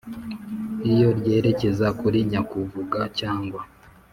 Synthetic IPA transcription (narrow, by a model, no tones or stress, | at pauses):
ijo̞ɾɟe̞ːɾe̞ce̞zakuɾiɲakuvuɡacaːŋɡwa